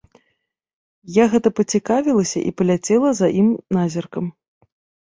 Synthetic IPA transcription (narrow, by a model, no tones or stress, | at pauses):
jaɣɛt̪ɐpɐt͡sʲikavʲilˠɐsʲɐ̰ʔḭpɐlʲat͡sʲɛlˠɐzɐʔimnazʲɐrkɐm